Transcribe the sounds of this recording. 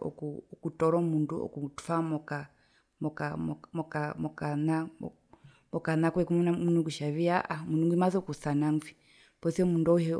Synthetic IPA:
ɔ̰kukutɔɾɔmunduɔ̰kutu̥famɔka | mɔkamɔkamɔkana | mɔkanakwɛkumnamunukuʃaβiaʔamunuŋɡimazɔkusanaŋvi | pɔsiɔmundɔhɛ

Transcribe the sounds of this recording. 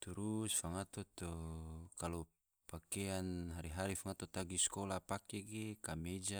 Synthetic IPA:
t̪uɾusfaŋat̪ot̪okalo | pakeanɦaɾiɦaɾifaŋat̪ot̪aɡiskolapakeɡekamed͡ʒa

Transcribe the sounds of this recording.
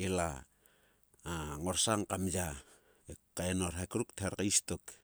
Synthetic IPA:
ela | aŋoɾsaŋkamja | ekaenoɾɦakɾukteɾkaistok

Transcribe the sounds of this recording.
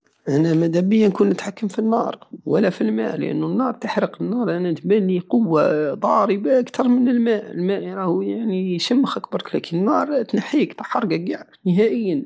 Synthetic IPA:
ʔænæmæd̪æbəjːænkunːət̪ħakːəmfinːɑɾˤwə̰lːæfilmæ̰ʔlə̰ʔə̰nːunːɑɾˤt̪əħɾəqənːɑɾˤʔænænt̪mænːiqʊwːad̪ˤɑɾəbaʔakt̪ɑɾˤmənəlmæʔəlmæʔɾˤɑhjaʕniʃəmːəxʔæk̚bɑɾˤklækənənːɑɾˤt̪naħikt̪ˤɑ̥ħɑɾˤɡæɡʕnəɦæʔəjːən

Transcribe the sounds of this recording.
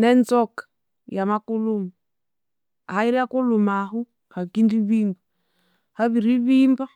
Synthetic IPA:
nɛnzɔkḁ | jamakulumu | ahaiɾiakulumaɦu | hakindiβimba | haβiɾiβimba

